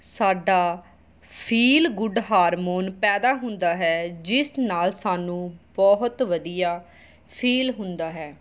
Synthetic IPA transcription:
saːɖaː | pʰiːlɡʊɖɦaːɾmoːnpɛːd̪aːɦʊ̃nd̪aːɦɛːd͡ʒɪsnaːlsaːnũːbɔːɦʊt̪ʋəd̪ijaː | pʰiːlɦʊ̃nd̪aːɦɛː

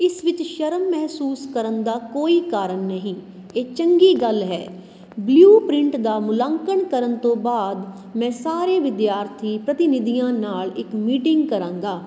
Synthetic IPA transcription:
ɪsʋɪt͡ʃʃəɾəmːɛɦsuːskəɾənd̪aːkoːiːkaːɾəɳːəɦĩː | eːt͡ʃəŋɡiːɡəlɦɛ̰ː | bljuːpɾɪ̃ɳʈd̪aːmʊlãːŋkəɳkəɾənt̪õːbaːd̪ | mɛ̃ːsaːɾeːʋɪd̪jaːɾt̪ʰiːpɾət̪ɪnɪd̪iːjãːnaːlɪkmiːʈɪ̃ŋɡkəɾãːŋɡaː

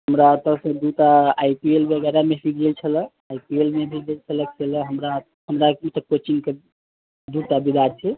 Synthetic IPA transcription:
ɦəmɾat̪əsə̃d̪ut̪aːjpielbəɡɛɾamesid͡ʒd͡ʒelt͡ʃʰələ | aipielmebʱid͡ʒelt͡ʃʰələkt͡ʃʰeləɦəmɾa | ɦəmɾat̪əkot͡ʃinke | d̪uʈ̪abid̪ʱaɾt͡ʃʰɛ

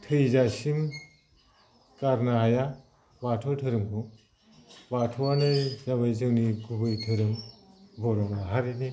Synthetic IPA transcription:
tʰɯjzasim | kaɾnaɦaja | batʰɔwtʰɯɾɯŋpʰu | batʰɔwanɯjzaβajzɯŋniɡubɯjtʰɯɾɯmbɔɾɔŋaɦaɾini

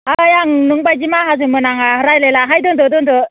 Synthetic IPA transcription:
ajaŋnɯŋbajd͡ʒimaɦazɯmɯnaŋahɯɾajlelaɦajdɔndɔdɔndɔ

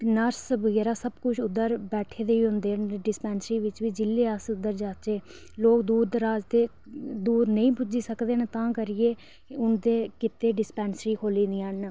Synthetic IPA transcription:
nəɾsʋəɡɛːɾaːsəbkʊt͡ʃʰʊd̪ːəɾbɛːʈʰeːd̪eːiːɦʊ̃nd̪eːnɖɪspɛ̃ːnsɾiːʋɪt͡ʃʋiːd͡ʒɪlːeːəsʊd̪əɾd͡ʒaːt͡ʃeː | loːkd̪uːɾd̪əɾaːd͡ʒt̪eː | d̪uːɾnəĩːpʊd͡ʒiːsəkd̪eːnt̪ãːkəɾɪeː | ʊnd̪eːkɪt̪eːɖɪspɛ̃ːnsɾiːkʰoːliːd̪iːən

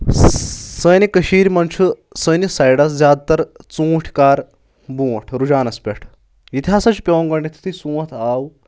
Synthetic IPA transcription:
sənikəɕiːɾmɐnʃʰu | sənisajɽasd͡zaːd̪̚t̪ɐɾt͡sũːʈʰkaːɾ | bũːʈʰɾud͡ʑaːnɐspʲeʈʰ | jit̪ʰiasat͡ʃipʲeʋɐ̃ŋɡɐɳɖit̪ʰi̥t̪ʰisũːɐt̪ʰaːw

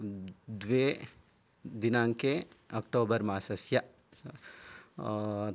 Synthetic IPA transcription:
d̪ʋe | d̪inaːŋkeɐk̚ʈoːbɐɾmaːsɐsjɐ

